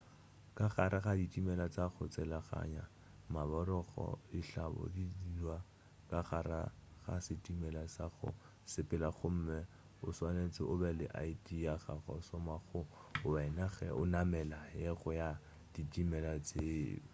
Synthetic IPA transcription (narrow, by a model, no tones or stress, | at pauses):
kʼaχaɾʔaχaditʼimɛlat͡sʼaχʊt͡sʼɪlaχa̰ɲa | mabɔɾɔχɔ̰ɪɬabɔ̰didilwa | kʼaχaɾa̰χa̰sɪtʼimɛlasaχʊ̰ | sɪpʼɪlaχʊm̩mɛ | ʊswanet͡sʼɪʔʊbɛlɪʔaitʼijaχaχɔ̰ʊsɔmaχʊʊɛnaχɛʊ̰namɛlajɛχʊja | d̥itʼimɛlat͡sʼe